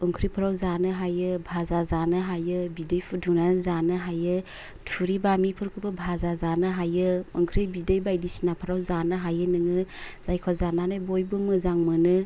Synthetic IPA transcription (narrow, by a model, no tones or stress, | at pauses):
ɯŋkʰɾipʰɯɾawzanɯɦajɯbʱazazanɯɦajɯbidɯjpʰɯɾduŋnanɯzanɯɦajɯ | tʰuɾibamipʰɯɾkʰɯbɯbʱazazanɯɦajɯɯŋkʰɾibidɯjbajdisinapʰɯɾawzanɯɦajɯnɯŋɯz̥ajkʰɔzananɯjbɔjbɯmɯzaŋmɯnɯ